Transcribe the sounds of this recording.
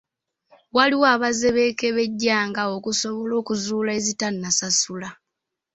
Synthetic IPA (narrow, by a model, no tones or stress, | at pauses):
waliwaβaze̞βe̞ke̞βe̞ɟːaːŋɡaokuso̞βo̞lo̞ːkuzuːlae̞zitanːasasula